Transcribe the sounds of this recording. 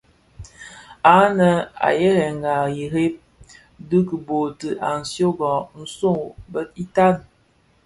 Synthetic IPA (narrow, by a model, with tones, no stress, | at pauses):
a˦nə˨a̰˨je˦ɾɛ˨ŋ˨ɡa˨i˨ɾe˦p̚ | dɨ˦kə˨bo˨tə˨ʔa˨n̩˨sjo˦ɡɔ˨n̩˦so˦˨bə˦i˦ta˦n